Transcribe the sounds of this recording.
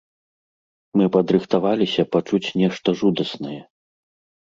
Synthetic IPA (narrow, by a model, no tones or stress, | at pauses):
mɨpɐd̪ɾɨxt̪avalʲisʲɐpat͡ʂut͡sʲnʲɛʂt̪ɐʐud̪ɐsnɐjɛ